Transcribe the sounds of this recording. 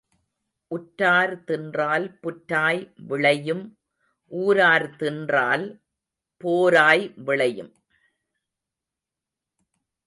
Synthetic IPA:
ʔʊʈːaːɾt̪ɪndraːlpʊʈːaːjʋɪɭɐjɯm | ʔuːɾaːɾt̪ɪndraːl | poːɾaːjʋɪɭɐjɯm

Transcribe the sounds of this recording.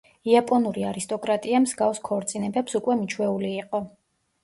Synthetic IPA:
iapʼɔnuɾiaɾist̪ʼɔkʼɾat̪ʼiamzɡafskʰɔɾt̪sʼinɛbɛpsukʼwɛmit͡ʃʰwɛuliːqʼɔ

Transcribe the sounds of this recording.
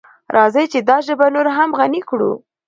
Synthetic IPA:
ɾʔɑzəjt͡ʃed̪ɑʒəbanoɾaɦamɣanikɽṵ

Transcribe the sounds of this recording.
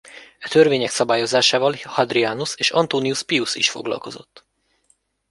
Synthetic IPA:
ɛt̪ø̞rveːɲɛksɒbaːjo̞zaːʃaːvɒlhɒd̪riaːnuseːʃɒnt̪oːniuspiusḭʃfo̞̰ɡlɒ̰lko̞zo̞̰t̪ː

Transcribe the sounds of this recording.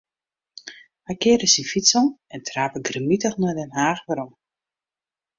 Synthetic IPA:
hajkɪːɾəsifitsɔnɛntʰraːpəɡrəmitəxnɔdɛnɦaːxʋəɾɔm

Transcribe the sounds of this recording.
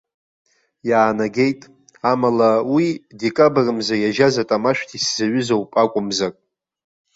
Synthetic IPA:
jaːnaɡʲe̞jtʼ | amalawidekʼabrɨmzajaʒazatʼamaʃᶣʷtʰiszaɥʏzowpʼakʷʼʊmzakʼ

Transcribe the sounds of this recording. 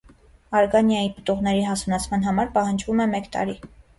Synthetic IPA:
ɑɾɡɑnjɑjipə̥t̪uʁnɛɾiɦɑsunɑt͡sʰmɑn̪ɦɑmɑɾpɑhɑnd͡ʒvumɛmɛkt̪ɑ̰ɾi

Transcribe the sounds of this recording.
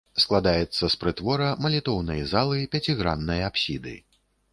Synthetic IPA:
sklˠad̪ajɛt̪sːɐspɾɨt̪vɔɾɐmɐlʲit̪ɔwnɐjzalˠɨpʲat͡sʲiɣɾa̰nːɐjɐapsʲid̪ɨ̰

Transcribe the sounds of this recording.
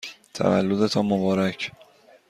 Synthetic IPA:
t̪ʰæ̰væ̰lːod̪et̪ʰɒːmobɒːɾæcʰ

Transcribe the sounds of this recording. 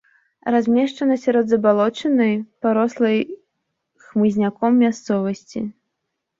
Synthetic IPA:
razʲmʲɛʂt͡ʂɐnɐsʲaɾɔd̪zɐbalˠɔt͡ʂɨnɐjpaɾɔslˠɐj | xmɨzʲnʲakɔmːʲast̪sɔvɐsʲt͡sʲḭ

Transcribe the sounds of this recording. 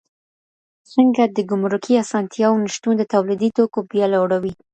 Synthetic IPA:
səŋɡad̪əɡʊmɾʊkʰiasɑnt̪jɑwniʃt̪und̪ət̪awlid̪it̪okobjɑlaɽawi

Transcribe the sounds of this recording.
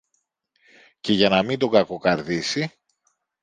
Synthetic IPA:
ce̞ʝɐnɐmind̪o̞ɡɐko̞kɐɾðisi

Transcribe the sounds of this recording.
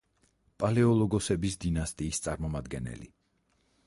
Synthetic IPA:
pʼalɛɔlˠɔɡɔsɛbisd̪inast̪ʼiːst̪sʼaɾmɔmad̪ɡɛnɛ̰lḭ

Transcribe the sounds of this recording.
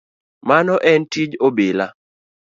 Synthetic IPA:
manɔʔɛntid͡ʒobɪla

